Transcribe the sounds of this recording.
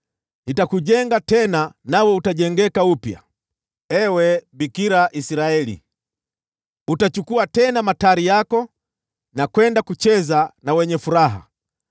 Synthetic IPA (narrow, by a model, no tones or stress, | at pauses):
itakuʄɛŋɡatɛnanawɛutaʄɛŋɡɛkaupja̰ | ɛwɛbikiɾaʔisiɾaɛlḭ | utat͡ʃukuatɛnamataɾijakɔ | nakwɛndakut͡ʃɛzanawɛɲɛfuɾaɦa̰